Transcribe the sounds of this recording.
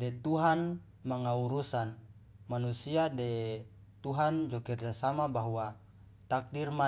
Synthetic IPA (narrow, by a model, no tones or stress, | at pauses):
dɛt̪uɦan | maŋauɾusan | manusiadɛ | t̪uɦand͡ʒɔkird͡ʒasamabaɦua | t̪ak̚dirma